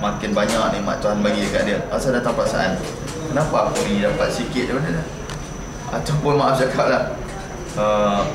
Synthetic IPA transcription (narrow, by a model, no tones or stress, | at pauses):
makɪnbaɲaʔnĩmã̰ʔt̪uɦanbaɡiakaʔdiəɣasadat̪aŋpat̪sa̰ʔa̰n | kənapakɔʔiidapat̪̚sikɪt̪̚dipadəla | a̰t̪awpʊnmaʔafd͡ʒakap̚lah | ə